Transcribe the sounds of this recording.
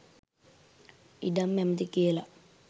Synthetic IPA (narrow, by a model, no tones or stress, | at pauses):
ḭɖamːɛməd̪ikijəla